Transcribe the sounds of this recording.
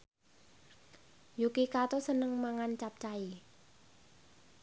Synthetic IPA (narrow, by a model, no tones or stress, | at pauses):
jukikat̪osənəŋmaŋant͡ʃap̚t͡ʃai